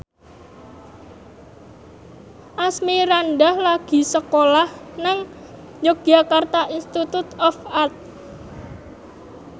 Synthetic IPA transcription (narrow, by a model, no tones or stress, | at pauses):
ʔasmiɾanɖahlaɡ̥i̤səkolahnaŋ | d͡ʒoɡ̥jakart̪aʔinst̪it̪ut̪ɔfart̪̚